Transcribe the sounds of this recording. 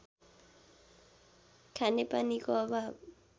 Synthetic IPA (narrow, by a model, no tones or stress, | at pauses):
kʰanɪpʼanikʼɔβa